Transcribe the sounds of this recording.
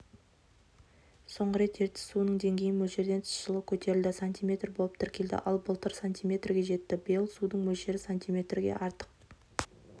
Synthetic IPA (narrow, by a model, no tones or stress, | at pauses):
so̞ɴʁəɾe̞t̪je̞ɾt̪ɪ̥sunəɴd̪e̞ŋɡʲe̞jɪnmɵlʒe̞ɾd̪et̪ʰɪ̥sʃəlˠəkʲʰɵt̪e̞ɾɪld̪ɪsanʲt̪ʲijmʲe̞t̪rbo̞lˠəp̚t̪ʰɪɾkʲe̞ld̪ɪ̰ʔɑlˠbəlˠt̪əɾsanʲt̪ijmʲe̞t̪rɡʲe̞ʒe̞t̪ːɪbjɪlˠsud̪əɴmɵlʃe̞ɾɪsanʲt̪ʲijmʲe̞t̪rɡʲe̞̰ʔɑɾt̪ə̥q̚